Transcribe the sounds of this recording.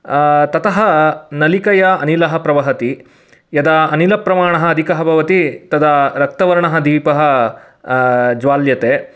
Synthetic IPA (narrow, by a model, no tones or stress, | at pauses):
t̪ɐt̪ɐɦɐnɐlikɐjɐɐnilɐɦɐ̆pɾɐʋɐɦɐt̪i | jɐd̪ɐːnilɐpɾɐmaːɳɐɦɐːd̪ʱikɐɦɐbʱɐʋɐt̪it̪ɐd̪ɐɾɐk̚t̪ɐʋɐɾɐɳɐɦɐd̪iːpɐɦɐ | d͡ʒʋaːljɐt̪eː